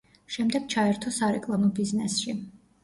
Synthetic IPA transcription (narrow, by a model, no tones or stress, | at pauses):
ʃɛmd̪ɛɡ̥̚t͡ʃʰaɛɾt̪ʰɔsaɾɛkʼlˠamɔbiznɛsʃi